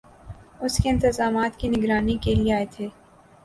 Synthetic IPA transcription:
ʊskeɪ̃nt̪ɪzaːmaːt̪kinɪɡɾaːnikelieaːet̪ʰeː

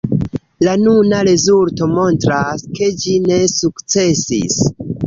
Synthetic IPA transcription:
lanunaɾe̞zulto̞mo̞ntɾaske̞d͡ʒine̞sukt͡se̞sḭs

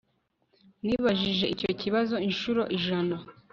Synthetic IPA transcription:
niːβaʒiʒe̞ʔicociβazo̞inʃuɾo̞ʔiʒana

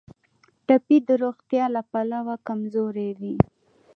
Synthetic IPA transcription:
ʈapid̪əɾoɣt̪jɑlapalawakamzoɾewi

